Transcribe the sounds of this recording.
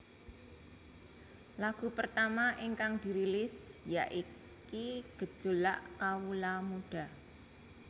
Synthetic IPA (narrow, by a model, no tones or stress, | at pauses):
laɡ̥ṳpərt̪amaʔiŋkaŋd̥iɾilɪsjaʔi | kiɡ̥ə̤d̥ʒ̥o̤laʔkawulamuɖ̥a̤